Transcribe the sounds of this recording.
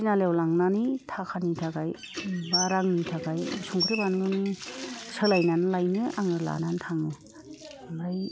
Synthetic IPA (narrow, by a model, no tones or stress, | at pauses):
nalewlaŋnanitʰakʰanitʰakaj | baɾaŋnitʰakajsuŋkʰɾibanɡɯnisɯlajnanlajnɯʔaŋɯla̰nantʰaŋɯ | laj